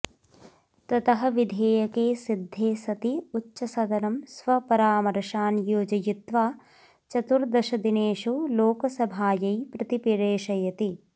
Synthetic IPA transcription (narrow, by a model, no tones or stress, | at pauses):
t̪ɐt̪ɐɦɐ̆ʋid̪ʱeːjɐkeːsid̪ʱːeːsɐt̪iutːʃɐsɐd̪ɐnɐmsʋɐpɐɾaːmɐɾʃaːnjoːd͡ʒɐjut̪ʋaː | t͡ʃɐt̪uɾd̪ɐʃɐd̪ineːʃuloːkɐsɐbʱaːjɐjpɾɐt̪ipiɾeːʃɐjɐt̪i